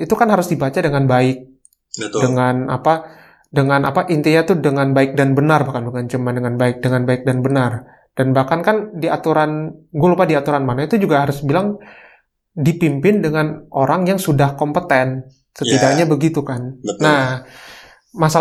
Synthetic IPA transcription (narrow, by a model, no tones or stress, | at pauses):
it̪ukanɦaɾʊsdibat͡ʃadəŋanbaɪk̚ | dəŋana̰pa | dəŋanʔapaʔint̪iɲat̪udəŋanbaɪk̚danbənarbahkanbəkant͡ʃəmandəŋanbaɪk̚dəŋanbaɪk̚danbənar | d̥anbahkankandiat̪uɾanɡʊlpadiat̪uɾanmanait̪ud͡ʒuɡaɦaɾʊsbilaŋ | dipimpɪndəŋanoɾaŋjaŋsudahkɔmpət̪ɛn | sət̪idaʔɲabəɡit̪ukanːa | masa